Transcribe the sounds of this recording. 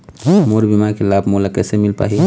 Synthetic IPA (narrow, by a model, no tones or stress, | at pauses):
moɾbimakelaːbʱmolakɛːsemilpa̰ːɦi